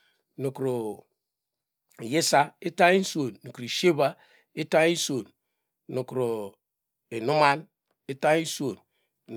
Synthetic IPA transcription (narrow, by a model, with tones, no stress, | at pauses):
no˨kɾo˨ | je˦sa˦e˦ta˦i˦n˦so˨nːo˨kɾo˨ʃe˦ba˦ | e˦ta˦i˦so˨n | no˨kɾo˨ | e˨nu˦ma˦n | e˦ta˦i˦so˨n